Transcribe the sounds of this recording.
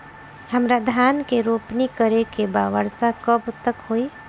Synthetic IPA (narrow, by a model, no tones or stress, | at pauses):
həmɾad̪ʱaːnkeɾopnikəɾekebaʋəɽsakəbt̪əkɦoi